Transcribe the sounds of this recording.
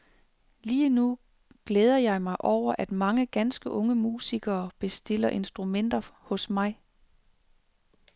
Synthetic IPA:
liːnu | ɡ̥leːð̞ˠɐjɑ̈ɪmɑ̈ɪʔɒʊ̰ɐʔæd̥mɑ̈ŋəɡ̥ænsɡ̥əʔɔ̽ŋəmuːsiɡ̥ɐːb̥e̝sd̥e̝l̰ɐʔe̝nsd̥ʁumen̰d̥ɐhɔ̽smɑ̈ɪ

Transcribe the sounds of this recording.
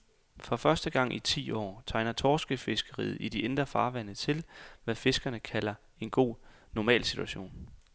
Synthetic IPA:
fʁɒ̽fɶɐsd̥əɡ̥ɑ̈ŋ̰ʔit͡sʰḭːɒ̰ːt͡sʰɑ̈ɪnɐt͡sʰɒːsɡ̥əfe̝sɡ̥əʁḭːð̩ˠid̥iend̥ʁɐfɑ̈ːʋænət͡sʰe̝lʋæfe̝sɡ̥ɐnəkʰælɐ | e̝nɡ̥o̝̰ː | nɒmɛ̰ːlsid̥ʰuæɕo̝̰ːn

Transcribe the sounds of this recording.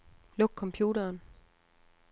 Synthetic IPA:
lɔ̽ɡ̥̚kʰɒ̽mpʰjuːɾɐːn

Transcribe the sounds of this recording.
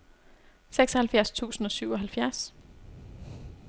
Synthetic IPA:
seɡ̥sɒhælfjæɐ̰st͡sʰṵːsn̩ɒ̽syʊ̰ɒ̽ɦælfjæɐs

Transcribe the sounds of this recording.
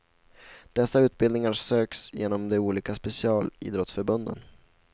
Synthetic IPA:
d̪̥ɛsːaʉ̟ːt̪̚bɪld̪nɪŋaɾsøːksjeːnɔmd̪ɛuːliːkaspɛsɪɑːlḭːd̪ɾɔt̪sfœɾbɵnd̪ə̰n

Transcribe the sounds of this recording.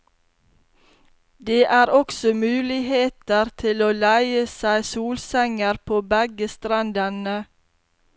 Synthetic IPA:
d̪eːʔæːɾɔksɔmʉːlɪheːt̪əɾt̪ʰɪloːlæɪəsæɪsuːlsæŋəɾpʰoːbæɡəst̪ɾɑnd̪ɛnə

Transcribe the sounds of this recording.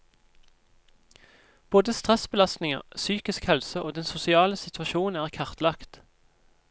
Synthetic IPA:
b̥oːd̪əst̪ʁɛsbəlɑst̪nɪŋə̰ʁsyːkɪskhɛlsəʔoːd̪ɛnsʊsɪɑːləsɪt̪ʰʋɑʃuːn̩æːʁkʰɑʁt̪lɑkt̪

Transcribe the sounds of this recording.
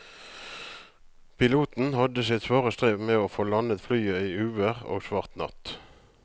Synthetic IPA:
pʰɪluːt̪n̩hɑd̪əsɪt̪sʋoːʁəst̪ʁeːʋmeːoːfoːlɑnət̪flyːəiːʉːəʁo̰ːɡsʋɑʁt̪nɑ̰t̪

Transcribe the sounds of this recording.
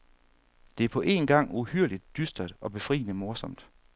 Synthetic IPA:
d̥e̝æɐpʰɒ̽ʔe̝̰nɡ̥ɑ̈ŋ̰uhyɐ̰lid̥ːysd̥ɐd̥ɒ̽b̥e̝fʁḭːnəmo̝ɐsɒ̽m̰d̥

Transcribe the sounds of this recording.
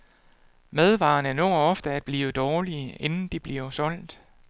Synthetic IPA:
með̞ˠʋɑ̈ːnənɔ̰ːɒ̽fd̥əæd̥̚b̥liːʋəd̥ɒːliəe̝nn̩d̥ib̥liɐsɒ̽l̰d̥

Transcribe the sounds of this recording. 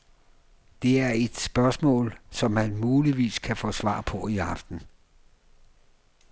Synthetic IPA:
d̥e̝æɐe̝d̥sb̥ɶɐsmɔ̰̽ːlsɒ̽mːænmuːliʋḭːskʰæfɔ̰ːsʋɑ̰̈ːpʰɒ̽iɑ̈fd̥n̩

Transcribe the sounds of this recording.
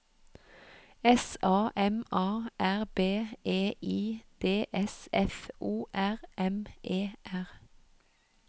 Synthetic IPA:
ɛsɑːʔɛmɑːʔæʁbeːʔeːʔiːd̪̥eːʔɛsɛfʔuːʔæʁʔɛmʔeːʔæʁ

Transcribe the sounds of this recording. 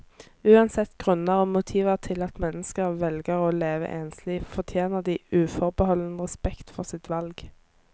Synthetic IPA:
ʉːɑnsɛt̪ːɡ̥ʁʉnəʁoːmʊt̪ʰiːʋəʁt̪ʰɪlɑt̪mɛnəskəʁʋɛlɡəʁoːleːʋə̰ʔeːnsliːʋfɔʁt̪ʰjeːnəʁd̪iːʉːfɔʁbəhɔlːənəʁɛspɛkt̪fɔʁsɪt̪ʋɑlɡ

